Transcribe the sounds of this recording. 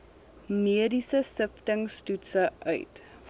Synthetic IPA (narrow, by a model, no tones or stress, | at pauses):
miədisəsəftəŋstutsəʔœ̰ɥt